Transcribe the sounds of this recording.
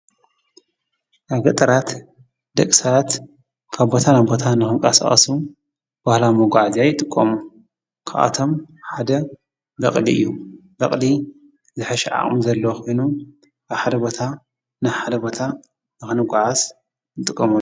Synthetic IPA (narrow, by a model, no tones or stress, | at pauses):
ʔaβɡɐt̪ʼɐɾat̪ | d̪̥ɐkʼsaβat̪ | kʰaβbo̞t̪ʰanabo̞t̪ʰanɨxɨmkʼasa̰χʼɐ̰su | b̥ahlamoɡʷaʕzajɪt̪ʼɨkʼːɐmu | kʰɨʔa̰t̪ʰo̞mħad̪ɐ | bɐχʼliʔɨ̰jːu | bɐχʼli | zɨħɐʃɛʕa̰χʼmuzɐlːɐwxojnu | ʔaβħad̪ɐbo̞t̪ʰa | najħad̪ɐbo̞t̪ʰa | nɨxɨnɨɡʷʕaz | jɨt̪ʼɨkʼːɐmu